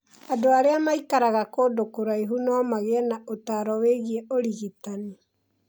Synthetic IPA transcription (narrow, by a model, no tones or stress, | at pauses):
adoaɾeamaikaɾaɣakoːdokoɾaiɦunɔːmaɣeɛnaʔotaɾɔweɣiɛoɾiɣitani